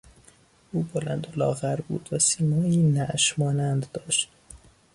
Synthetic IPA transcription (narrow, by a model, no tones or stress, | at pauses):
ʔuːbolænd̪olɒːɣæɾbṵːd̪̥væsiːmɒːiːnæʔʃmɒːnænd̪ːɒːʃt̪